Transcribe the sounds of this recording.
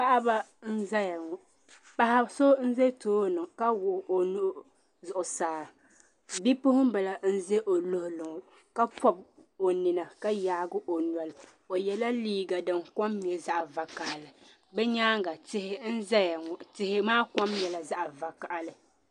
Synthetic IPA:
pa˦ʔa˦ba˦n̩˦za˦ja˨ŋɔ˨ | pa˦ha˦so˦n̩˦ze˦toː˦nɨ˨ŋka˦wʊ˨ʔo˨nʊ˦ʔʊ˦ | zʊ˨ʔʊ˨saː˨ | bi˦pʊ˦hʊ˦m˦bɛ˨la˨n̩˦ze˦ʔo˨lʊ˦hʊ˦lʊ˨ŋʊ˨ | ka˦pʰɔ˦b̚o˨nɪ˨na˨ka˦jaː˨˦ɡʊ˦ʔo˨nwa˨lɨ˨ | o˨jɛ˨la˦liː˦ɡa˨dɨ˨ŋ˨kɔ˦mː˨ɛ˨za˦ʔa˨va˨ka˨ʔa˨lɨ˨ | bɛ˦ɲaː˦ŋ˦ɡa˨tɪ˦hɪ˦n̩˦za˦ja˨ŋɔ˨tɪ˦hɪ˦maː˦kɔ˦mjɛ˨la˨za˦ʔa˨va˨ka˨ʔa˨lɨ˨

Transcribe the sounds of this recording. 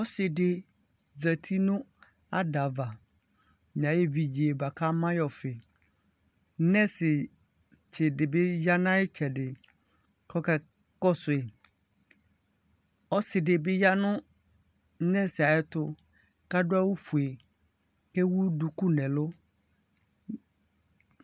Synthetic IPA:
ɔ˦sɪ˨ɖɪ˨ | d͡zɛ˨t̪ʰi˦nʊ̃˦ | a˦da˨va˨ | mɲ˨ã˨je˦vi˨d͡ʑi˨e˨ba˨ka˦mã˦jɔ˨fɪ˨ | nɛ̃˦sɪ˨ | t͡ʃe˨ɖɪ˨be˦ja˦nã˦e˦t͡ʃɛ˨ɖɪ˨ | kɔ˦kɛ˦ | kɔ˦sʊ˨e˨ | ɔ˦sɪ˨dɪ˨bɪ˦ja˦nʊ̃˦ | nɛ̃˦sɪ˨a˨ɛ˦t̪ʊ˦ | ka˦dʊ˦a˦wu˦fu˨e˨ | ke˦wu˦du˨ku˦nɛ̃˨lʊ˦

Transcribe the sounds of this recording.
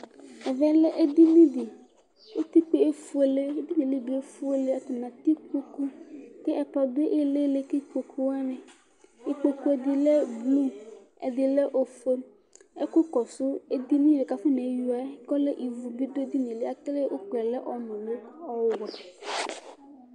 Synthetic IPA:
e˨vɛ˦le˦ʔe˦d̪i˦nĩ˦de˨ | wo˦t̪i˦k͡pe˨e˦fu˦e˨le˦e˦d̪i˦nẽ˨le˦bu˨˦e˦fu˦e˦le˦a˨t̪o˨nã˨t̪i˦ko˦ku˦t̪e˦ʔɛ˨pɔ˨be˦ʔe˦le˦le˦ke˦˨k͡po˨kʰu˦wa˦nẽ˨ | e˦k͡po˨ku˦e˨d̪i˨le˦blu˦ | e˨d̪e˨le˦ʔo˨fe˦ | e˦ko˦kɔ˨so˦e˦d̪i˦nĩ˦de˨ka˨fe˦nẽ˨˦ju˨a˨˦kɔ˦le˦ʔi˨vu˨bi˦do˦d̪i˦nẽ˨le˦a˨kle˦ʔo̰˦k͡pɛ˨le˦ʔɔ˨nɔ̃˨lo˦ɔ˦wa˨

